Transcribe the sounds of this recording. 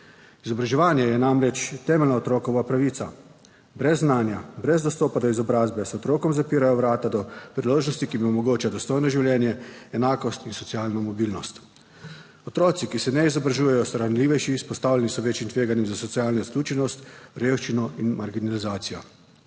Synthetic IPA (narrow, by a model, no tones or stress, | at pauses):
izɔbɾaʒɛʋaːnjɛjɛnamɾɛt͡ʃt̪ɛːmɛlnaɔt̪ɾɔːkɔʋapɾaʋiːt̪sa | bɾɛzːnaːnjabɾɛzd̪ɔst̪ɔːpad̪ɔizɔbɾaːzbɛsɔt̪ɾoːkɔmzapiːɾajɔʋɾaːt̪ad̪ɔpɾiloːʒnɔst̪ikimiɔmɔɡoːt͡ʃad̪ɔst̪oːjnɔʒiwljɛːnjɛɛnaːkɔst̪insɔt̪siaːlnɔmɔbiːlnɔst̪ | ɔt̪ɾɔːt̪sikisɛnɛizɔbɾaʒuːjɛjɔsɔɾanliːʋɛjʃispɔst̪aːwlɛnisɔʋeːt͡ʃimt̪ʋeːɡanjɛmzasɔtsiaːlnɔiskluːt͡ʃɛnɔst̪ɾeːwʃt͡ʃinɔinmaɾɡinalizaːt̪sijɔ